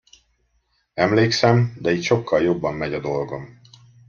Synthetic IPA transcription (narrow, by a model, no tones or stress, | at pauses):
ɛmleːksɛmd̪ɛiːc̪ʃo̞kːɒljo̞bːɒmːɛɟɒd̪o̞lɡo̞m